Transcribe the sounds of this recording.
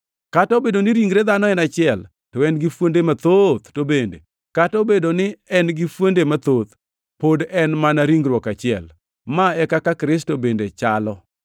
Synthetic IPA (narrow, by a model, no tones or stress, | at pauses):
katɔbedonɪɾiŋɡɾed̪anɔɛnat͡ʃɪɛl | tɔɛnɡɪfwondemat̪ot̪tobendḛ | katɔbedonɪɛnɡɪfwondemat̪ot̪ | podɛnmanaɾiŋɡɾwɔkat͡ʃɪɛ̰l | maɛkakakɾɪs̬tobendet͡ʃalɔ